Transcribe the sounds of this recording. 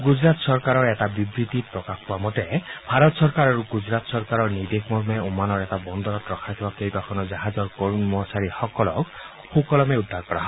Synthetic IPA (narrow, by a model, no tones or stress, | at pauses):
ɡud͡ʒɾat̪sɔɾkaɾɔɾetabibɾit̪ipɾɔkakʰpuamɔtebʱaɾɔt̪sɔɾkaɾaɾuɡud͡ʒɾat̪sɔɾkaɾɔɹnid̪ekʰmɔɾmeumanɔɾetabɔnd̪ɔɾɔt̪ɾɔkʰakʰibakejbakʰɔnɔd͡ʒaɦad͡ʒɔɾkɔɹmɔsaɾihɔkɔlɔk | xukɔlɔmeud̪ʱːaɾkɔɾaɦɔ̃